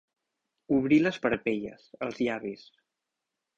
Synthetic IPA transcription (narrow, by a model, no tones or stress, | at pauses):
uβɾiləspəɾpeʎə̰zəlˠzʎaβis